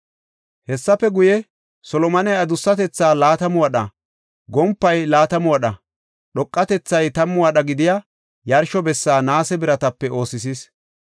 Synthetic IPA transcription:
hɛsːɐpːɛɡʊjɛ | sɔlɔmɐnɛjɐd̪ʊsːɐt̪ɛt͡sːaːlaːt̪ɐmʊwɐɗɐ | ɡɔmpːɐjlaːt̪ɐmʊwɐɗɐ | ɗɔkʼːɐt̪ɛt͡sːɐjt̪ɐmːʊwɐɗɐɡɪd̪ɪja | jɐɾʃɔbɛsːaːnaːsɛbɪɾɐt̪ɐpːɛo̞ːsɪsiːs

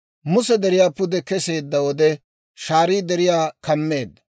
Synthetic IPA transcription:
mʊsɛd̪ɛɾɪjaːpʊd̪ɛkɛse̞ːd̪ːɐwɔd̪ɛ | ʃaːɾiːd̪ɛɾɪjaːkɐmːe̞ːd̪ːɐ

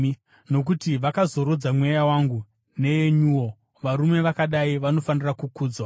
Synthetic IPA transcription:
no̞k̬utiʋakazo̞ɾod͡zamwejawaŋɡu | ne̞jeɲuwo̞ | ʋaɾume̞ʋakaɗaiʋano̞fanirakukuːd͡zwa

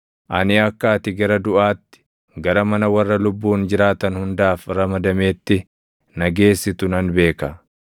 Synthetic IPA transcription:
ʔɐnɪɐkːaːt̪ɪɡɐɾɐd̪ʊʔaːt̪ːɪ̥ | ɡɐɾɐmɐnɐwɐrːɐlʊbːuːnd͡ʒɪɾaːt̪ɐnhʊnd̪aːfɾɐmɐd̪ɐme̞ːt̪ːɪ | nɐɡe̞ːsːɪt̪ʊnɐnbe̞ːkɐ

